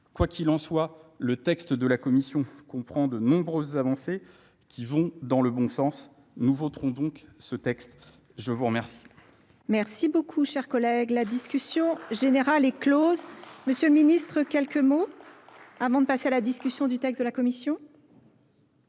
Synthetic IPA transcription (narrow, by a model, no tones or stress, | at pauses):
kwakʲʰilɑ̃swalət̪ɛkst̪d̪əlakɔmisjɔ̃kɔ̃pχɑ̃d̪ənɔ̃bʁøzːavɑ̃se | kʲʰivɔ̃d̪ɑ̃ləbɔ̃sɑ̃s | nuvot̪χɔ̃d̪ɔ̃ksət̪ɛkst̪ | ʒəvuʁəmɛʁsi̥ | mɛʁsibokʰuʃɛʁkɔlɛɡlad̪iskʲysjɔ̃ʒeneʁalɛklozməsjøləminist̪χəkʲɛlkəmo | avɑ̃d̪əpasealad̪iskʲysjɔ̃d̪yt̪ɛkst̪d̪əlakɔmisjɔ̃